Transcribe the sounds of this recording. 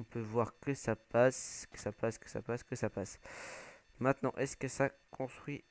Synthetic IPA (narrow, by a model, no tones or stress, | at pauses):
ɔ̃pøvwaʁkəsapaskə̥sapaskə̥sa̰paskəsapas | mɛ̃t̪nɑ̃ʔɛskəsakʰɔ̃st̪χɥi